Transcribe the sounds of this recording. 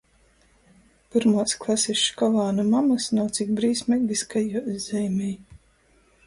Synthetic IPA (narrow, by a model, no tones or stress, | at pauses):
piɾmaːsklˠasiʃkɔlˠaːnumamasnawt̪sik̚bɾiːsmʲɛɡlʲiskajuzɛjmʲɛj